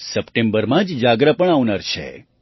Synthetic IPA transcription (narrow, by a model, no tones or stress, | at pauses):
səpʈẽmbəɾmãd͡ʒd͡ʒaɡɾəpəɳaʋnaɾt͡ʃʰḛ